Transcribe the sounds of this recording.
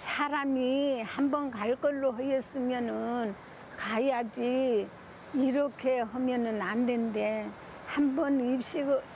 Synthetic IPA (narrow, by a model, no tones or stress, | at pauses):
sʰaɾamihambʌnkaɭk͈ʌɭːoɦejʌs͈ɯmjʌnɯn | kajjad͡ʑiː | ɾʌkʰe̞hʌmjʌnɯnandwende̞ | hambʌnip̚ɕ͈iɡɯ